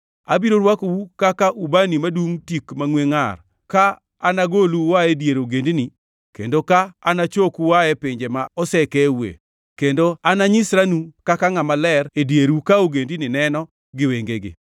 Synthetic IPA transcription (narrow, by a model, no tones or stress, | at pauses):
a̰biɾoɾwakowukakaʔubanimaduŋtikmaŋweŋa̰r | kaː | naɡoluwaedjeɾoɡendini | kḛndokaːnat͡ʃokuwaɛpeɲd͡ʒemaɔsɛkɛwḛ | kendoanaɲɪsɾanukakaŋamalɛredjeɾwukaoɡendinɪnɛnɔ | ɡɪweŋɡeɡḛ